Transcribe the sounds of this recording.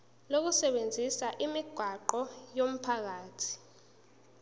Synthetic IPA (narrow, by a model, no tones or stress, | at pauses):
lok̬usɛɓend͡zʱisaʔimiɡ̥ʱwaǃɔjom̩pʰak̬aːtʰi̥